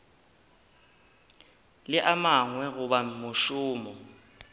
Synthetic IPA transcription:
lɪʔamaŋwɛɣuɓamuʃuːmɔ

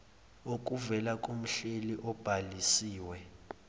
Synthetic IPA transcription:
ok̬ʼuvɛlakʼom̩ɬeliʔɔb̥ʱalisiːwɛ

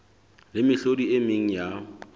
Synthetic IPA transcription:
lɪmɪɬodiemɪŋ̩ja

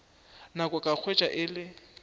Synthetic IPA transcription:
nakʼɔkʼak͡xʰwet͡ʃʼaʔɪlɪ

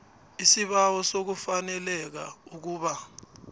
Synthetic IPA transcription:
isiɓawɔsok̬ufanɛlɛk̬a̰uk̬uːɓa

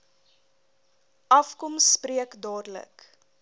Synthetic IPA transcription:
ʔɐfkɔmspriəkdɑːdələ̰k

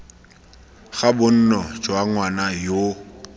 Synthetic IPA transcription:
ɣabʊn̩nɔd͡ʒwaŋwanajo

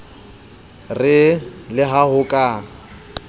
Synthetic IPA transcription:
rɪlɪɦahʊkʼa

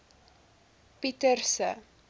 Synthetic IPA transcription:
pitərsə̰

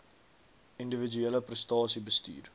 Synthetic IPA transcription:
indəvid͡ʒyeləprəstɑːsibəsty̰ːr

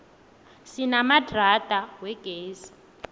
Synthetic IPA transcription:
sinamadratʼawɛɡ̥ʱeːsi̥

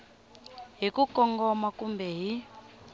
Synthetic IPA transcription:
ɦikukɔŋɡɔmakumbɛɦi

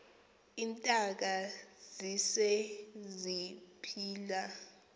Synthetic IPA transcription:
intʼak̬azisɛzipʰiːla

